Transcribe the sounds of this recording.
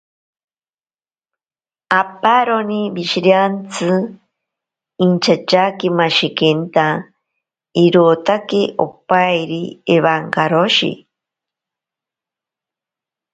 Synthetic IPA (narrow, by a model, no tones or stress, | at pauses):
apaɾonibiʃiɾjant͡sʰɨ | int͡ʃʰat͡ʃakimaʃikent̪a | iɾoːt̪akeʔo̰pajɾieβaŋkaɾoʃḭ